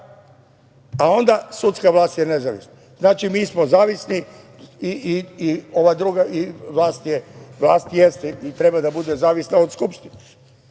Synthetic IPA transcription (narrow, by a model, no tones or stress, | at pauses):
ao̞nd̪asut̪skaʋlˠaːst̪jene̞zaʋḭsna | znaːt͡ʃimiːsmozaːʋisni | iiio̞ʋad̪ɾuɡaʔiʋlˠaːst̪jeʋla̰ːst̪jest̪eit̪ɾe̞bad̪abud̪ezaːʋisnaod̪skupʃt̪ine